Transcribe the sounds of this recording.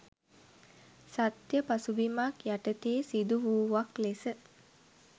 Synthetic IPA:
sat̪jəpasubimakjaʈət̪eːsid̪uʋuːʋaklesə

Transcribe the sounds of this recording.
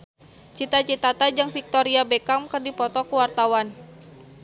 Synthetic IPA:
t͡ʃit̪at͡ʃit̪at̪ad͡ʒaŋfik̚t̪oɾiabekamkɨrdipɔt̪ɔkuwart̪awan

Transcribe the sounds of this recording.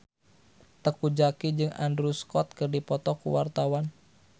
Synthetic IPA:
t̪əkud͡ʒakid͡ʒɨŋa̰ndɾuskɔt̪̚kɨrdipɔt̪ɔkṵwa̰rt̪awan

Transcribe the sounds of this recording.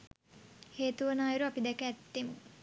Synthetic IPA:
heːt̪uʋənaːjuɾuapid̪ɛkəæt̪ːemu

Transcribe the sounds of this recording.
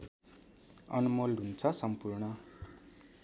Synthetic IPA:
ʌ̰numolɦunt͡sʰʌsʌmpurɳʌ

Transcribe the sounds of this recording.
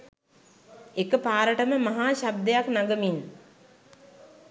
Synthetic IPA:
ekəpaːɾəʈəməmɐɦaːɕab̚d̪ejaknaɡəmin

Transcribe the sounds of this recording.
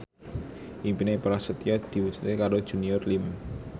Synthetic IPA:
ʔimpinepəɾasət̪iɔd̪̥i̤wusu̥t̪ekaɾod̥ʒ̥ṳniɔrlim

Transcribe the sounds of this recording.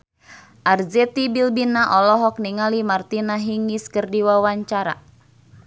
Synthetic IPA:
ʔarzɛt̪ibilbinaʔɔlɔɦɔk̚niŋalimart̪inaɦiŋiskɨrdiwawaɲt͡ʃaɾa̰

